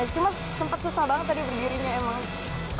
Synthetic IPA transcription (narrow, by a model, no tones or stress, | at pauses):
t͡ʃuma | səmpat̪̚kusabaŋət̪̚ːadibərdiɾiɲaemaŋ